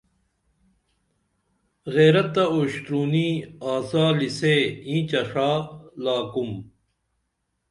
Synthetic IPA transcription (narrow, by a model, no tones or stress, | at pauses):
ɣeːɾɐt̪ːɐoːɕt̪ɾuːniːaːzaːliseːĩːt͡ɕɐʂaːlaːkum